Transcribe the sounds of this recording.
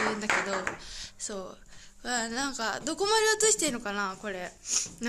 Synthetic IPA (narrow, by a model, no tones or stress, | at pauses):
ɯ̃nd̪ake̞d̪o̞so̞ː | anãŋkad̪o̞ko̞maɾʲeot̪oɕi̥t̪eino̞kanako̞ɾe̞n